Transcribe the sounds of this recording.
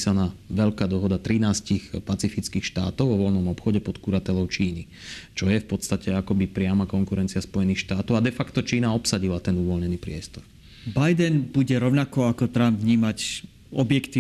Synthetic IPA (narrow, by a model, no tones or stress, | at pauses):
sanaːʋɛʎkaːd̪ɔɦɔd̪at̪ɾinaːscixpat͡sifit͡skiːxʃt̪a̰ːt̪ɔʊʋɔʋɔlnɔmɔpxɔɟɛpɔt̪kuɾat̪ɛʎɔʊt͡ʃiːni | t͡ʃɔjɛfpɔt̪st̪acɛakɔbipɾɪamakɔŋkuɾɛnt͡siaspɔjɛnixʃt̪aːt̪ɔʊad̪ɛfakt̪ɔt͡ʃiːnaɔpsaɟilat̪ɛnuʋɔlɲɛniːpɾɪɛst̪ɔɾ | bajd̪ɛnbuɟɛɾɔʊnakɔakɔt̪ɾambvɲiːmac | ɔbjɛkt̪iː